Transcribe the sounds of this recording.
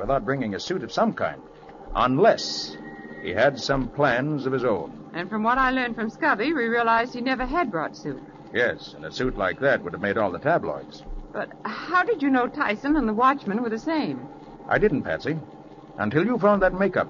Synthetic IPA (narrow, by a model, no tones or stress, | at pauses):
wəθaʊt̚b̥ɹɪ̃ŋɪ̃ŋɨsʉɾʌv̥sʌ̃mkʰã̰ɪ̃nd | ʔə̃nlɛs | hḭɨdsʌ̃mpʰl̥æ̃nzʌv̥ɨzõʊ̃n | ʔɨ̃nfɹʌ̃mwʌɾaɪlɜ̃˞nd̥fɹʌ̃mskʌbiɹiɹiəlaɪzd̥̚hinɛvə˞ɨd̚bɹɔtsʉt̚ | jɛsɨ̃nɨsʉtˡlaɪk̚ðæt̚wʊɾɨvmeɪɾɔlˠðətʰæblɔ̰ɪdz̥b̥ʌt̚haʊdɨd͡ʒɨnoʊtʰaɪsɨ̃nə̃nðəwɑt͡ʃmɨ̃nwə˞ðɨsẽɪ̃m | ʔa̰ɪdɪdⁿn̩pʰæ̰̃nsi | ʔə̃ntɪlˠjɨfãʊ̃n̚ðɨt̚meɪkʌ̰p̚